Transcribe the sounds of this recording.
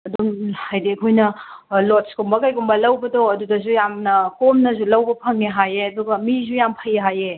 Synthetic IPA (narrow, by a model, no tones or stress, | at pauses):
ɐdumhajdekʰojnɐ | lotskumbɐkajɡumbɐlɐwbɐdoɐdudɐzujamnɐkomnɐzulɐwbɐpʰɐŋeɦajeɐduɡɐmizujampʰɐjeɦaje